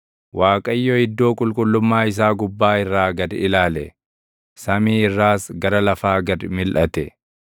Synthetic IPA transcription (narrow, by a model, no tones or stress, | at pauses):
wʔaːkʼɐjːohɪd̪ːo̞ːkʼʊlkʼʊlːʊmːaːɪs̬aːɡʊbːaːɪrːaːɡɐd̪ɪlaːlɛ | sɐmiːɪrːaːsɡɐɾɐlɐfaːɡɐd̪mɪlʔɐt̪ɛ